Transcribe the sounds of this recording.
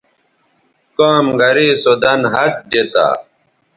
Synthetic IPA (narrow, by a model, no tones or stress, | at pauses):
kaːmɡɐɾiːsod̪ɐnɦɐt̪̚d͡ʑet̪a̰ː